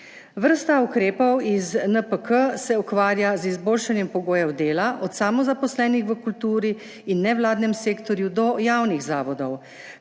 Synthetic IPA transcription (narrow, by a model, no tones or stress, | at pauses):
ʋəɾst̪aukɾeːpɔwiznəpəkəsɛukʋaːɾjazizboːlʃanjɛmpɔɡoːjɛwd̪eːlaʔɔt̪samɔzapɔslɛːnixʋəkult̪uːɾi | inːɛwlaːd̪nɛmseːkt̪ɔɾjud̪ɔjaːwniɣzaːʋɔd̪ɔw